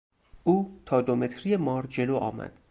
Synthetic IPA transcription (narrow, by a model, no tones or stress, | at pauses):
ʔuːt̪ʰɒːd̪ome̞t̪ʰɾiːjemɒːɾd͡ʒe̞loːʔɒ̰ːmæ̰d̪̥